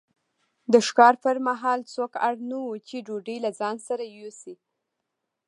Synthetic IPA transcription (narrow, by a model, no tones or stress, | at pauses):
d̪əʃkɑɾpəɾmaɦɑlt͡sokaɽnəwut͡ʃeɖoɖəjlazɑnsaɾajosi